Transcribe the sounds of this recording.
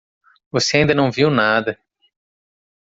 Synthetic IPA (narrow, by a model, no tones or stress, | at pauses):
voseaĩnd̪ɐnɐ̃w̃viwnad̪ɐ